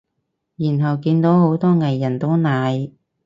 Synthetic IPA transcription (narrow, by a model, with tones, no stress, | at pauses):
jiː˨˩nɦɐ˨˩wkiː˧nt̪o˨˥wɦo˨˥wt̪ɔː˥ŋɐ˨jːɐ˨˩nt̪o˥wnaː˨˧j